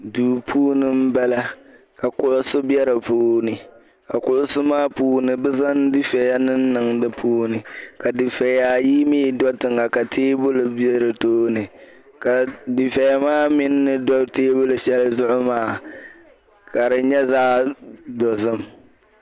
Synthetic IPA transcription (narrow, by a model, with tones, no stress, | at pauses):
duː˨pʰuː˦nɨ˦m˦bɛ˦la˦ | ka˨kʊ˦ʔʊ˦sʊ˦bɛ˦ɾɨ˨puː˦nɨ˨ | ka˨kʊ˨ʔʊ˦sʊ˦maː˦puː˦nɨ˨bɨ˦za˦ndi˦fɛ˨ja˦nɨ˦n̩ː˦ɨ˨ŋdɨ˦pʰuː˦nɨ˨ka˨di˨fɛ˨ja˨ji˦miː˦˨dɔ˦tɨ˨ŋa˨ka˨tʰeː˦bʊ˦lɨ˨bɛ˦ɾɨ˨toː˦nɨ˨ | ka˨di˨fɛ˨ja˦maː˦mɪ˦nːɨ˦dɔ˦teː˦bʊ˦lɨ˨ʃɛ˦lzʊ˦ʔʊ˦maː˦˨ | ka˨ɾɨ˨ɲɛ˦zaː˦dɔ˨zɨ˦m